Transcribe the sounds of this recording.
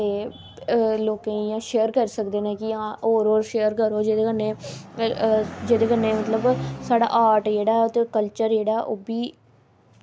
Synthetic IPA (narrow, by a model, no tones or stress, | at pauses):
eː | loːkẽːjãːʃeːəɾkəɾsəkd̪eːnɛ̃ːkɪãːoːɾoːɾʃeːəɾkəɾoːd͡ʒeːd̪eːkənːẽː | d͡ʒeːd̪eːkənːeːmət̪ləbsaːɽa̰ːʔaːɾʈd͡ʒeːɽaːt̪eːkəlt͡ʃəɾd͡ʒeːɽaːʔoːbiː